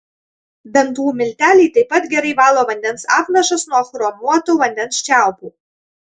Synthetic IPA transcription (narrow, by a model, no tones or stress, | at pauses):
bʲɛnt̪uːmʲɪlʲt̪ʲæːlʲiːt̪ɐɪpːɐt̪ɡʲɛɾɐɪʋɑːlˠoːʋɐnʲd̪ʲɛnsɑ̰ːpnɐʃɐsnuɔxɾoːmuɔt̪oːʋɐnʲd̪ʲɛnsʃʲt͡ʃʲæˑʊpuː